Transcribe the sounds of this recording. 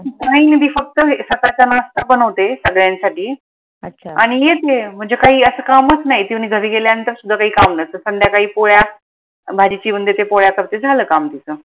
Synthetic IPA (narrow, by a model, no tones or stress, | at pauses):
kaɦiːnid̪iːfək̚t̪əsək̪at͡ɕanast̪abənəʋt̪esəɡɭjãnsaʈiː | əɕʰaɽ̃ijet̪em̤əɳd͡zekaɦiːəsəːkamət͡snaɦjt̪iʋɽ̃iɡʱəɾiːɡeljanənt̪əɾsud̪ʱːakaɦiːkamnət̪əsəɳd̪jakaɦiːpoɭja | bʱad͡ʑit͡ɕiːmənd̪et̪epoɭjakəɾt̪ed͡zʱaləːkamt̪it͡sə